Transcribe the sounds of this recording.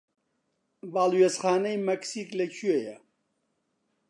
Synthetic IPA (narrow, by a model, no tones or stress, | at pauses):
baːlˠwezχaːnɐjmɐksiːklɐt͡ʃʰyejɐ